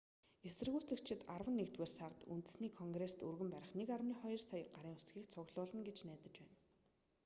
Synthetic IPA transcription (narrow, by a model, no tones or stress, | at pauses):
esɘ̆rɣuːt͡sɘ̆kt͡ɕʰɪ̆t̪arwə̆nːekt̪weːrsart̪ṵnt̪ɘ̆sniːkʰɔŋɡrest̪urɣɘ̆mpæɾʲɪ̆χnekarwniːχɔjɞ̆rsajə̆ɢaɾiːŋʊsɡiːkt͡sʰʊɣɮʊːɮə̆ŋɡet͡ɕnæːt̪ə̆t͡ɕpæːn